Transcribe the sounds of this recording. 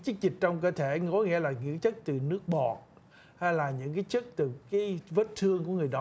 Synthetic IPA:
t͡ɕɨ˦˥k̚zï̟˨˩t͡ɕɔ˧wŋ͡mkəː˧t̪ʰe˧˩kɔ˨˦ŋḭ˧˥əlaː˨˩ɲɨ̰˧˥ŋt͡ɕə˦˥k̚t̪ɨ˨˩nɨ˦˥ək̚ɓɔ˨˩ | ha˧jlaː˨˩ɲɨ̰˧˥ŋkaː˨˦jt͡ɕə˦˥k̚t̪ɨ˨˩kaː˨˦jvəː˦˥t̚t̪ʰɨ˧əŋku˧˩əŋɨ˨˩əjɗɔ˨˦

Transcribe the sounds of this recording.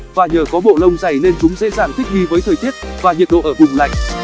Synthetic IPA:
vaː˨˩ɲəː˨˩kɔ˨˦ɓo̰˧˨lə˧wŋ͡mza˨˩jne˧nt͡ɕʊ˨˦ŋ͡mzḛ˧˥zaː˧˩ŋt̪ʰï˦˥k̚vi˧vəː˨˦jt̪ʰəː˨˩jt̪i˦˥ət̚vaː˨˩ɲḭ˨ət̚ɗo̰˧˨ʔəː˧˩vʊ˨˩ŋ͡mla̰˧˨jŋ̟

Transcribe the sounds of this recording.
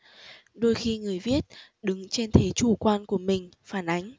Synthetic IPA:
ɗo˧jxi˧ŋɨ˨˩əjvi˦˥ət̚ɗɨ˨˦ŋt͡ɕe˧nt̪ʰe˨˦t͡ɕu˧˩kwaː˧nku˧˩əmï˨˩ŋ̟faː˧˩nʔa˨˦ŋ̟

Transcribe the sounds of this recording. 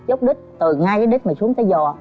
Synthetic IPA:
t͡ɕə˦˥wk͡p̚ɗï˦˥k̚t̪ɨ˨˩ŋaː˧jkaː˨˦jɗi˦˥k̟̚maː˨˩su˨˦əŋt̪əː˨˦jzɔ˨˩

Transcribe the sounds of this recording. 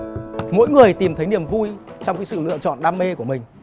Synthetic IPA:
mo̰˧˥jŋɨ˨˩əjt̪i˨˩mt̪ʰə˨˦jni˨˩əmvu˧jt͡ɕɔ˧wŋ͡mkaː˨˦jsɨ̰˧˨lɨ̰˧ət͡ɕɔ̰˧˨nɗaː˧mːe˧ku˧˩əmï˨˩ŋ̟

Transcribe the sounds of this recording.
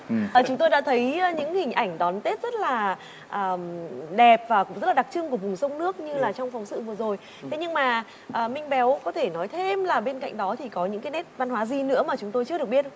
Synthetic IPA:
ʔəː˧˩t͡ɕʊ˨˦ŋ͡mt̪o˧jɗa̰˧˥t̪ʰə˨˦jɲɨ̰˧˥ŋhï˨˩ŋ̟ʔa˧˩jŋ̟ɗɔ˨˦nt̪e˦˥t̚z̥ə˦˥t̚laː˨˩ | ʔəː˨˩ɗɛ˨˩p̚vaː˨˩kʊ̰˧˥ŋ͡mzə˦˥laː˨˩˨k̚t͡ɕɨ˧ŋku˧˩əvʊ˨˩ŋ͡msə˧wŋ͡mnɨ˦˥ək̚ɲɨ˧laː˨˩t͡ɕɔ˧wŋ͡mfɔ˨˦wŋ͡msɨ̰˧˨vɨ˨˩əzo˨˩j | t̪ʰe˨˦ɲɨ˧ŋmaː˨˩ | ʔəː˨˩mï˧ŋ̟ɓɛ˨˦wkɔ˨˦t̪ʰe˧˩nɔ˨˦jt̪ʰe˧mlaː˨˩ɓe˧nka̰˧˨jŋ̟ɗɔ˨˦t̪ʰi˨˩kɔ˨˦ɲɨ̰˧˥ŋkaː˨˦nɛ˦˥t̚va˧nhwaː˨˦zi˧nɨ̰˧˥əmaː˨˩t͡ɕʊ˨˦ŋ͡mt̪o˧jt͡ɕɨ˧˥əɗɨ˨˩ək̚ɓi˦˥ət

